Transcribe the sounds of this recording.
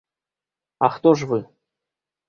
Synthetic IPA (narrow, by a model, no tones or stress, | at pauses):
ɑxt̪oʒvɨ